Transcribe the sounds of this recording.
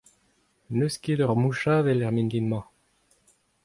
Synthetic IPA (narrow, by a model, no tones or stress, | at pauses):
nøsked̪œʁmuʃavɛlɛʁmind̪inmɑ̃